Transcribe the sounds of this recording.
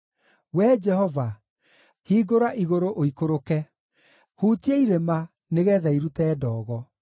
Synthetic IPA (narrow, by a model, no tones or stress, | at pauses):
wɛd͡ʒɛhɔva | hiːɡoɾaʔiɣoɾoʔoikoɾokɛ | hutieiɾema | neɣɛːðaiɾutɛːdɔːɣɔ